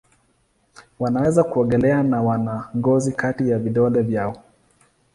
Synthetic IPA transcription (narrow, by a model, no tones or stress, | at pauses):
wanawɛzakuɔŋɡɛlɛanawanaŋɡɔzikatijaviɗɔlɛvjaɔ